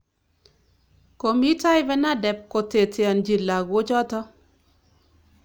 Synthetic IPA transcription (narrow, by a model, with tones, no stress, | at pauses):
ko˨mi˦ta˦ɪ˦vɛ˦na˦dɛ˨p̚ko˨te˨tʰja˨nd͡ʒi˨la˨ɡwo˦t͡ʃɔ˦t̪ɔ˦